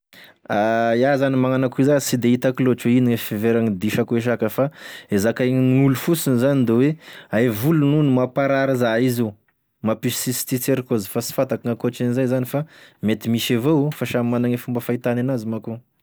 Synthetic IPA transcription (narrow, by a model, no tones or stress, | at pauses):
ajazanimaŋanakuizasid̪eit̪akiloʈ͡ʂweiniŋefeveɾaŋid̪iʃakueʃ̬akəfaezakajŋulufusinzanid̪eweajvulununimapaɾaɾazaizu | mapissisi̥t͡s̪it͡seɾikozfasi̥fat̪akaŋakoaʈ͡ʂinizajzanifamet̪imiʃavoufaʃammanaŋefumbəfait̪ananazimaku